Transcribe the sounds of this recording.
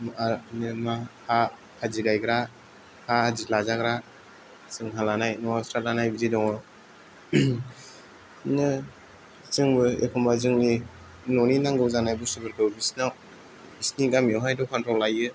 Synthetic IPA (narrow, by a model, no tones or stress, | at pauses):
manɯmaha | haziɡajɡɾa | hahazilazaɡɾa | sɯŋɦalanajnɔasɾatlanajbizidɔŋɔ | nɯ | t͡ʃɯŋbɯḛkʰɔmbazɯŋni | noninaŋɡɯwzanajbusubɯɾkʰɯbisnaw | bisniɡamiawɦajdɔkʰantʰɔwlajɯ